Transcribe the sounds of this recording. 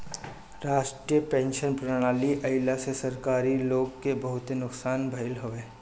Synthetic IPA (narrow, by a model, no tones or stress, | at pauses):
ɾaːʃʈɾijəpẽːnʃənpɾɐɽ̃aːliʔɐɪlasesɐɾkaːɾiloːɡkebɐɦʊt̪enʊksaːnbʱɐɪlɦoʋeː